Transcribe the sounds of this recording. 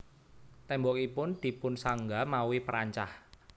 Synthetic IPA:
t̪ɛmbɔkipʊnd̪̥i̤pʊnsaŋɡamauwipəɾaɲt͡ʃah

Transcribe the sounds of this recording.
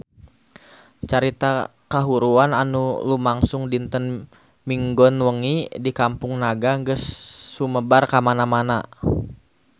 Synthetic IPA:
t͡ʃaɾit̪a | kaɦuɾuana̰nulumaŋsʊŋdint̪ən | miŋɡɔnwəŋidikampʊŋnaɡaŋɡəsːuməbarkamanamana

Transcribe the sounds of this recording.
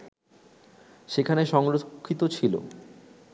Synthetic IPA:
ʃekʰaneʃɔŋɾokʰːit̪ot͡ɕʰilo̰

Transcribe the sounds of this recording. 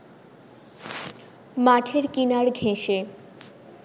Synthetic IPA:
maʈʰeɾkinaɾɡʱeʃe

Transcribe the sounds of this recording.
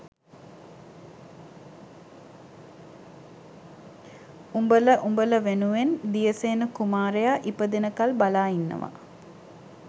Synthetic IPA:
umbələʔumbələʋenuʋend̪ijəseːnəkumaːɾejaʔipəd̪enəkalbalaːinːə̰ʋa̰

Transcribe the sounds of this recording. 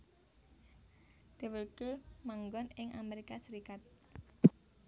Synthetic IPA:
d̪̥i̤wəlkemaŋɡɔnɪŋʔa̰meɾikasəɾikat̪̚

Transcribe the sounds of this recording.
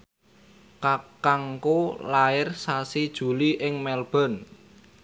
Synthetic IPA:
kakaŋkolaɪrsasid̥ʒ̥ṳliʔɪŋmɛlb̥ɔ̤n

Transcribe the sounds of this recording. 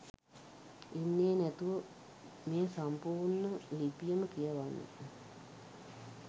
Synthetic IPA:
enːeːnæt̪uʋə | meːsampuːrɳəlipijəməkijəʋanːə̰

